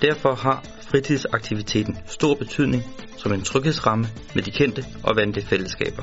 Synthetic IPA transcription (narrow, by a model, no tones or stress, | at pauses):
d̥æɐ̰fɒ̽hɑ̈ | fʁit͡sʰið̰ˠsɑ̈ɡ̥̚t͡sʰiʋit͡sʰe̝̰ːd̥n̩sd̥o̝ɐ̰b̥e̝t͡sʰyð̰ˠne̝ŋ | sɒ̽me̝nt͡sʰʁœɡ̥he̝ðˠsʁɑ̈mə | med̥ikʰen̰d̥əʔɒ̽ʋænləfel̰əsɡ̥ɛ̰ːb̥ɐ